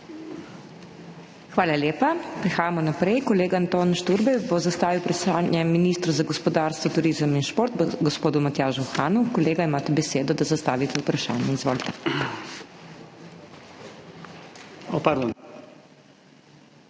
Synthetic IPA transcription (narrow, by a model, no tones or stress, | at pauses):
xʋaːlaljeːpapɾɛxaːjamɔnapɾɛjkɔleːɡaːnt̪oːnʃt̪uɾbɛjbɔzast̪aːʋiwpɾaʃaːnjɛminist̪ɾɔzaɡɔspɔd̪aːɾst̪ʋɔt̪uɾiːzəminʃpoːɾt̪ɡɔspoːd̪umat̪jaːʒuxaːnukɔleːɡaimaːt̪ɛbɛseːd̪ɔd̪azast̪aːʋit̪ɛupɾaʃa̰ːnjɛizʋoːlt̪ɛ̥ | ɔpaɾd̪ɔn